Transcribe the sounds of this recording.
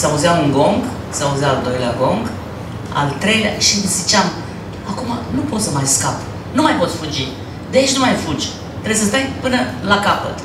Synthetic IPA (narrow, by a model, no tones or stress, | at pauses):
sauzjamuŋɡo̞ŋɡ | sauzaːld̪o̞jleaɡo̞ŋɡ | a̰lt̪ɾe̞jlʲa̰ʃizit͡ʃam | akumanupo̞t̪səmajskap | numajpo̞t̪sʲfud͡ʒi | d̪eait͡ʃʲnumajfud͡ʒʲ | t̪ɾeesəst̪ajpɨnəlakapə̰t̪